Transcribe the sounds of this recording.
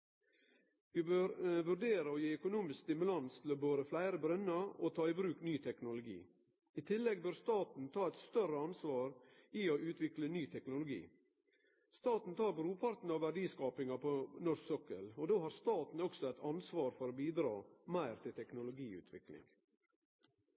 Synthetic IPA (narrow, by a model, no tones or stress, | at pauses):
ʋɪbøɾʋʉɾɖeːɾəoːjiːœkʊnuːmɪskst̪ɪmʉlɑnst̪ʰɪloːboːɾəflæɪɾəbɾœnɑot̪ʰɑːɪbɾʉːknyːt̪ʰɛknʊlʊɡḭː | it̪ʰɪlːɛɡ̚bœɾst̪ɑːt̪n̩t̪ʰɑːɛt̪st̪œɾəɑnsʋɑːɾiːoʔʉːt̪ʰʋɪklənyːt̪ʰɛknʊlʊɡḭː | st̪ɑːt̪n̩t̪ʰɑːbɾuːpʰɑɾt̪n̩ɑːʋæɖiːskɑːpɪŋɑpʰonɔɾsɔkə̰loːd̪oːhɑɾst̪ɑːt̪n̩ɔksɔæɪt̪ʰɑnsʋɑːɾfɔɾoːbiːd̪ɾɑ̰ːmæɪɾt̪ʰɪlt̪ʰɛknʊlʊɡiːʉ̰ːt̪ʰʋɪ̰klɪ̰ŋ